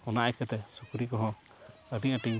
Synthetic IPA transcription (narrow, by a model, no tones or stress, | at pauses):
ɔnaʔajkɛt̪ɛsukuɾikɔɦɔ̃ | əɖiɲəʈiɲ